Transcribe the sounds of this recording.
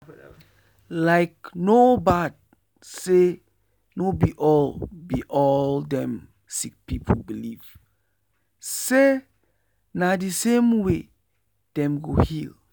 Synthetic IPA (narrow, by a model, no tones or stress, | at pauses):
laɪk̚nobad̚ | se | nobiʔɔlbiʔɔldɛ̃m | sik̚pipʰobiliv̥ | se | nadisẽmwe | d̥ɛ̃mɡohil